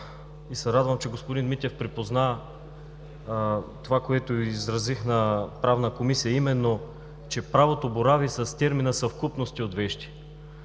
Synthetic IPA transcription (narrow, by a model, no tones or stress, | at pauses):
isɛɾad̪vəmt͡ʃɛɡospod̪inmit̪ʲɛfpɾipozna | t̪ovakoɛt̪oizɾɐzixnɐpɾavnəkomisijəimɛnːo | t͡ʃɛpɾavot̪oboɾavisɐst̪ʲɛɾminəsɐfkupnost̪iot̪vɛʃt̪i̥